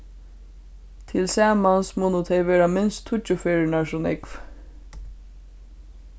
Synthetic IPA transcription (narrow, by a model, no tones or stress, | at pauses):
t̪ʰɪlsɑːmɑnsmuːnʊt̪ʰeʋeːɹɑmɪnst̪ʰːʊt͡ʃʊfeːɹəɳɑʃʊnɪ̰kf